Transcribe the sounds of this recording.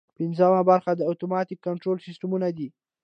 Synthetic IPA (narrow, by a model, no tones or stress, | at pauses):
pɪnzamabaɾxad̪əat̪omɑt̪ɪkːaɳʈɾolsɪsʈamunad̪i